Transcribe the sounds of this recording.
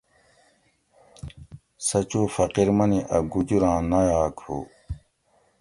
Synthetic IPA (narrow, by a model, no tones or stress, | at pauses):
sɐt͡ɕoːfɐqiɾmɐniʔɐɡud͡ʑuɾãːnɐjaːkʰo̰ː